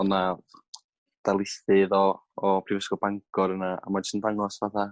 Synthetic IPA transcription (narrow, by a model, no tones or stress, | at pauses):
ɔna | d̥alˠɪθɨðɔːpʰriːvɛsɡɔbaŋkʰɔɾənaa̰mad͡ʒʊ̥stəndaŋɔsvaθa